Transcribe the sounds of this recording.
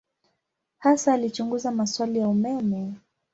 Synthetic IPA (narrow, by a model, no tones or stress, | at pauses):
hasaːlit͡ʃuŋɡuzamaswalijaumɛmɛ